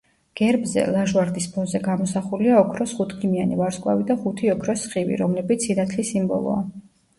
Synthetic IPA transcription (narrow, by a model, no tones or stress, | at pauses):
ɡ̥ɛɾbzɛ̰lˠaʒwaɾd̪ispʰɔzɛɡamɔsaχuliaɔkʰɾɔsχut̪ʰɡimianivaɾskʼwa̰vid̪aχut̪ʰiɔkʰɾɔsχivḭɾɔmlɛbit̪sʰinat̪ʰlisimbɔ̰lˠɔ̰a